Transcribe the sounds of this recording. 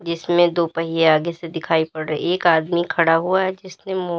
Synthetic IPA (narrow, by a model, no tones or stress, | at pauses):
d͡ʒɪsmẽd̪oːpɐɦijeaːɡesed̪ɪkʰaːipɐɽɾəieːkaːd̪mikʰɐɽaɦuaɦɛd͡ʒɪsnẽmo